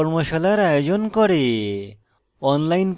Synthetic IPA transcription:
ɔɾmoʃalajeɾajod͡ʑonkɔɾe | ɔnlajnp

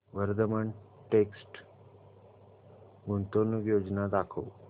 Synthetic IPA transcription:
ʋəɾd̪əməɳ | ʈeksʈ | ɡunt̪onuɡjod͡ʑnad̪akʰə̰ʋ

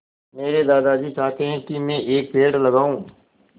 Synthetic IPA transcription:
meːɾed̪aːd̪ad͡ʒit͡ʃaːɦt̪eɦɛ̃kimɛ̃ʔeːk̚peːɽlɐɡaːũː

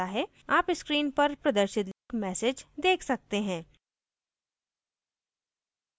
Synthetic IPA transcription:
aɦɛ | aːpɪskɾiːnpɐɾpɾɐd̪əɾʃɪt̪lkmɛːsed͡ʒd̪eːkʰsɐk̚t̪eɦɛ̃ː

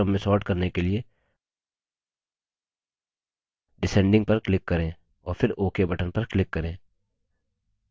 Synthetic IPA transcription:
ɐmːẽsɔːɾʈkɐɾnekelie | ɖɪsɛ̃ːɳɖɪ̃ŋɡ̚pɐɾklɪkːɐɾẽː | ɔːɾpʰɪɾoːkebɐʈənpɐɾklɪkːɐɾẽː

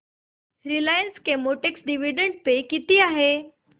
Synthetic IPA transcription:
ɾilajənskemoʈeksɖiʋiɖəɳɖ̚pekit̪iːaɦe

